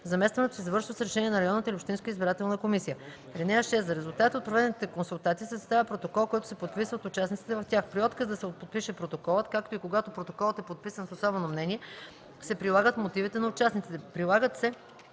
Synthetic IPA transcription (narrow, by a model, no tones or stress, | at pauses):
zɐmɛst̪vɐnɛt̪osɛzvəɾʃilˠosɾɛʃɛniɛnɐɾɐjɔnːət̪əiliopʃt̪inskəizbiɾat̪ɛlˠnəkomisijə | ɾinɛaʃɛsɾɛzulˠt̪at̪iot̪pɾovɛnnit̪ɛkonsulˠt̪at̪isɛzɐst̪avʲɐpɾot̪okɔlˠkɔjt̪ʊ̥sɛpot̪̚pisvət̪ʊt͡ʃasnit̪si̥t̪ɛvɐft̪ʲjaxpɾiɔt̪kəzd̪ɐsɛpot̪̚piʃɛpɾot̪okɔlˠət̪kakt̪oikoɡat̪opɾot̪okɔlˠət̪ɛpot̪̚pisənsosɔbɛnomnɛnʲiɛ | sɛpɾilˠaɡət̪mot̪ivit̪ɛnɐʊt͡ʃasnit̪sit̪ɛpɾilˠaɡət̪sɛ